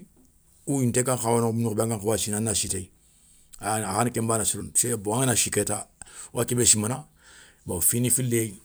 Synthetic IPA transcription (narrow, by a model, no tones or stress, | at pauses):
ujintekaxawanmunukbãŋkãŋkawasinanasitei | aaxankɛmbanasiɾonseboaŋanasikɛtawʔakebesimana | bafinifilːei